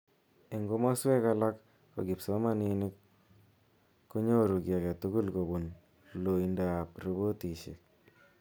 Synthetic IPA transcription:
e˨ŋɡo˦ma˦swɛ˦ka˦la˦kː | o̰˨ɡɪ˨pso˦ma˦ni˦nɪ˦k | u˦ɲo˦˨ɾu˨ɡja˨kɛ˨tu˦ku˦lko˨bu˨n | lo˨i˨nda˨a˨pɾu˦bo˦ti˨ʃɪ̰˨k̚

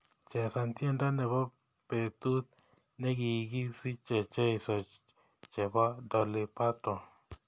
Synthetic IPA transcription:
t͡ʃɛ˨sa˨nti˦ɛ˦nda˦nɛ˨bɔ˦ | pɛ˨t̪u˦t̪̚ | nɛ˦ɡi˨i˨ɡi˦si˦t͡ʃɛ˨t͡ʃɛ˦i˨sɔ˨ | t͡ʃɛ˨bɔ˦dɔ˨li˨pa˦tɔ˨

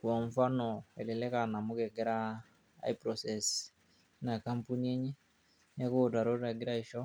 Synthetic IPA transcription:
ku˨a˨ɱ˦fa˦nɔ˨ɛ˨lɛ˨lɛ˦ka˨na˨mo˦kɛ˨ɡɛ˦ɾa˦ | a̰˦i˦pɾɔ˨sɛ˨s | na˨ka˦mpu˦ni˦e˦ɲɛ˦ | ɲɛ˦ko˦˨da˨ɾo˦ɾa˨ɡi˦ɾa˦i˨˦ʃɔ˦

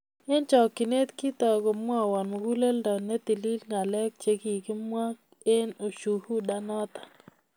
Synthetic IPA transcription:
e˦nt͡ʃɔ˨kːɪ˨ne˦t̪ki˦t̪ɔ˨ɡo˨mwɔ˦˨wɔ˨nmɔ˨ɡu˦le˦ldɔ˨nɛ˦t̪i˨li˦lŋa˨lɛ˦k̚t͡ʃe˨ɡi˨kɪ˦mwa˦k̚ | e˦no˨ʃu˨hu˦da˦nɔ˦t̪ḁ˨

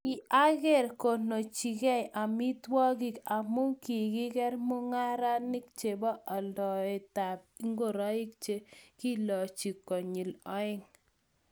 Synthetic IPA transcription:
ɪ˨a˦ɡe˦˨ɾko˨no˨t͡ʃi˨ɡɛ˦jʔa˨mɪ˦twɔ˦ɡi˦˨ka˨mʊ˦ki˨ɡɪ˦ɡɛ˦ɾmʊ˦ŋa˦ɾa˦nɪ˦k̚t͡ʃe˨bɔ˦ʔa˨ldɔ˨e˨ta˨b̚i˦ŋɡo˦˨ɾɔ˦ɪ˦k̚t͡ʃe˦ki˦lɔ˨t͡ʃi˨kɔ˨ɲi˨lɔ˦ɪ˦ŋ

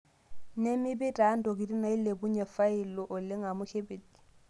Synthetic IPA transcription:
ne˦mɪ˦bɪ˦tʼa˨˦n̩˦dɔ˨k̬i˨di˦na˨i˦le˨bu˦ɲɛ˨fa˦i˨lɔ˦ʔʊ˨lɪ˦ŋa˨mʊ˦kʰe˦be˨di̥˨

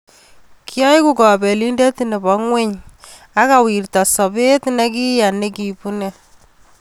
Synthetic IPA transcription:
kʰjɔ˦jku˦kɔ˨be˨li˦nde˦tine˨bɔ˦ŋwe˦ɲ | a˦ka˨wi˨rta˨sɔ˨be˦tne˦ki˦ja˨ne˦ki˨pu˦ne˦

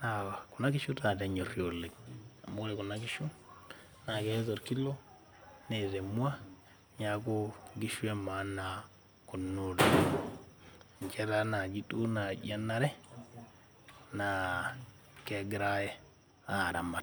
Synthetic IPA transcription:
na˨ku˨na˦ki˦ʃu˦ta˨tɛ˨ɲo˨rjo˨le˨ka˨moɾe˨ku˨na˦ki˦ʃu˦ | na˨kɛ˦zo˨ɾki˦lo˦ | ne˨ðe˨mwa˦ | ɲa˨ku˦ɡi˦ʃwe˦ma˨˦na˨ | ku˨nu˨ɾe | ɲt͡ʃɛ˦ɾa˦na˨d͡ʒi˦tu˦na˨d͡ʒa˦na˦ɾɛ˦ | na˨ | ke˨ɡɪɾa˦jɛ˦ | a˨ɾa˨ma˨t

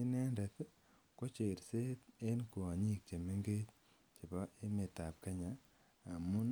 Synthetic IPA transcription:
i˦nɛ˦ndɛ˨t | ko˦t͡ʃe˨ɾse˦te˦nku˨a˨ɲi˦k̚t͡ʃe˨me˦ŋɡe˦t͡ʃ | t͡ʃe˨pɔ˦e˦me˨ta˨p̚ka˦ɲaː˨ | mu˦n

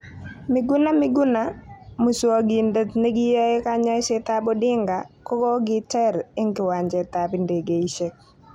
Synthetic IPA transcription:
mɪ˨ɡʊ˦na˦mɪ˦ɡʊ˦na˦mu˨swa˨ɡi˨ndə˦t̪ne˦ɡɪ˦ja˦ɪ˦ka˦ɲa˦sɛ˦t̪a˦bɔ˦dɪ˦ŋɡa˨kɔ˦kɔ˦ɡɪ˦tɛ˦ɾɪ˦ŋɡɪ˨wa˨ɲd͡ʒɛ˨t̪a˨pɪ˦nde˨ɡe˨i˦ʃe˦k̚

